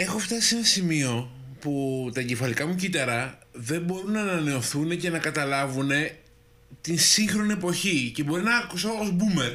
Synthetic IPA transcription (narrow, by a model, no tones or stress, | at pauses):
e̞xo̞ft̪ɐsie̞nɐsimio̞ | put̪ɐcefɐlikɐmucit̪ɐɾɐðe̞mbo̞ɾunɐːnɐne̞o̞θune̞ce̞nɐkɐt̪ɐlɐvune̞ | t̪insiŋxɾo̞nie̞po̞çice̞bo̞ɾinɐkusoozbume̞ɾ